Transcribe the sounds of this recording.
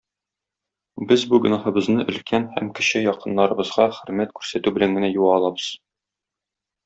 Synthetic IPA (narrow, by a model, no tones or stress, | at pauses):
bɘzbuɡɵ̆nɑhɤ̆bɤ̆znɤʔɵ̆lkʰænhæ̰mkɘ̆ɕɘjɒqɤ̆nːɑɾɤ̆bɤ̆zʁɑχɵ̆ɾmæt̪̚kʉɾsæt̪ʉbɘ̆læŋɡɘ̆næjuʁɑːlˠɑbɤz̥